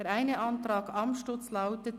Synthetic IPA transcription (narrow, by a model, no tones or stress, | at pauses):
ɛɾæɪnəʔɑntɾɑːɡɑmʃtʊt͡slaʊtət